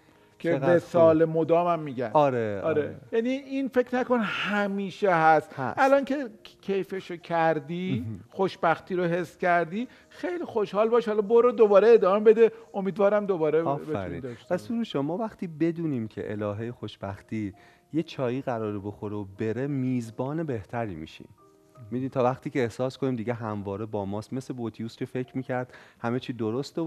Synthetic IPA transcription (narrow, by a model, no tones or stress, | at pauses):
kʰeesɒːlemod̪ɒːmæmːiːɟæ̰nɒɾeɒːɾejæniinfe̞cʰnækonhæmiːʃeɦæst̪ʔælɒːncʰe̞cʰejfeʃocʰæɾd̪ixo̞ʃbæxt̪iːɾoɦe̞sːcæɾd̪iː | xe̞jlixo̞ʃhɒːlbɒːʃhɒːlɒboɾod̪obɒːɾe̞eːd̪ɒːmebe̞d̪e̞o̞miːd̪vɒːɾæmd̪obɒːɾeɒːfbeæ̰ɾḭnd̪ʃt̪pʰæsuɾuʃomːɒːvæχt̪ʰiːbe̞d̪uːniːmcʰe̞̰ʔḛlɒːɦejexoʃb̥æxt̪ʰiː | jet͡ʃʰɒːjiːɣæɾɒːɾebo̞xoɾeobe̞ɾemiːzbɒːne̞be̞ht̪ʰæɾiːmḭːʃḭm | mid̪unit̪ʰɒːvæχt̪iːcʰeːhsɒːskʰo̞niːmd̪iɟeɦæmvɒːɾebɒːmɒːst̪me̞slebot̪ʰijuːscʲʰe̞fe̞cʰɾmiːcʰæɾd̪hæmet͡ʃʰiːd̪oɾost̪o